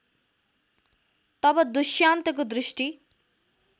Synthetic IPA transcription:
t̪ʌbʌd̪uʃjaːnt̪ʌk̬od̪ɾiʃʈi

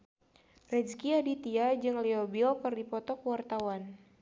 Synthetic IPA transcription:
rɛd͡ʒkiadit̪iad͡ʒɨŋliobilkɨrdipɔt̪ɔkwart̪awan

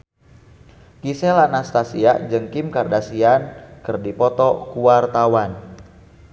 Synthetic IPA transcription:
kisɛlanast̪asia̰ʔd͡ʒɨŋkimkardasiankɨrdipɔt̪ɔkuwart̪awan

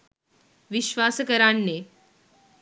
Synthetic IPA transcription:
ʋiɕʋaskəɾaɳːe

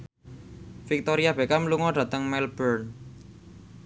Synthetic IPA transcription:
fik̚t̪oɾiabekamluŋɔɖ̥ä̤t̪əŋmɛlb̥ərn

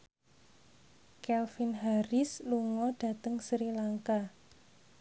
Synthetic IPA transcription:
kɛlfinɦaɾɪsluŋɔd̥a̤t̪əŋsɾilaŋka

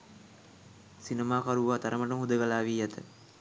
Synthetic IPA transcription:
sinɐmaːkɐɾuʋaːt̪ɐɾɐmɐʈɐmud̪ɐɡɐlaːʋiːjɐt̪ʰɐ

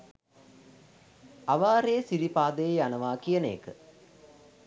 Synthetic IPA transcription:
aʋaːɾeːsiɾipaːd̪əjeanɐʋaːkijənḛːkə

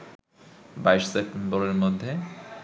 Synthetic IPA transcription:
bajʃsep̚ʈemboɾeɾmod̪ʱːe

